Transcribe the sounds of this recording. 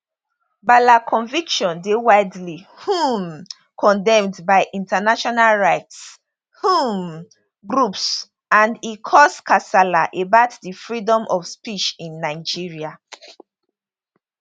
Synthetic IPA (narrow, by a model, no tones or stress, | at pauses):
balakʰɔ̃nvikʃɔ̃ndewaɪdlihũm | kʰɔ̃ndɛ̃mdbaɪʔĩntanaʃɔnalɹaɪts | hũm | ɡɹups | ãndikʰɔskasalaʔebaʊtdifɹidɔ̃mʔɔfspit͡ʃĩnːaɪd͡ʒiɹia